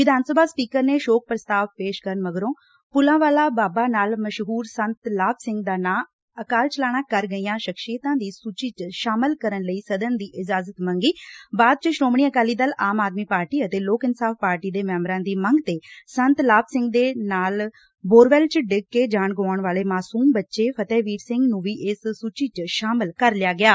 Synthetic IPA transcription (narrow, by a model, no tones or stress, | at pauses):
ʋɪd̪ʱaːnsəbʱaːspiːkəɾneːʃoːk̚pɾəst̪aːʋpeːʃkəɾənməɡɾõː | pʊlãːʋaːlaːbaːbaːnaːlməʃɦuːɾsənt̪laːbsɪ̃ŋɡd̪aːnaː | əkaːlt͡ʃəlaːɽ̃ãːkəɾɡəijãːʃəkʃiːt̪ãːd̪iːsuːt͡ʃiːt͡ʃʃaːmɪlkəɾənləiːsəd̪ənd̪iːʔɪd͡ʒaːzət̪məŋɡiːbaːd̪̚t͡ʃəʃɾoːmɳiːəkaːliːd̪əlaːmaːd̪miːpaːɾʈiːət̪eːloːkɪnsaːfpaːɾʈiːd̪eːmɛːmɾãːd̪iːməŋɡt̪eːsənt̪laːbsɪ̃ŋɡd̪eːnaːl | boːɾʋɛːlt͡ʃɖɪkkːeːd͡ʒaːɳɡoːɳʋaːleːmaːsuːmbətːʃeːpʰət̪ɛːʋiːɾsɪ̃ŋɡnũːʋiːʔɪsːuːt͡ʃiːt͡ʃʃaːmɪlkəɾlɪjaːɡɪaː